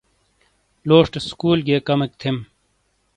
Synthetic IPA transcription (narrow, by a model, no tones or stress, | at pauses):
loːʂʈskuːlɡeːkɐmek̚t̪ʰem